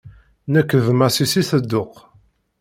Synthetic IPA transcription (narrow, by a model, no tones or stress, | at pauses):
nəkːəðmæsisiθəd̪ːʊq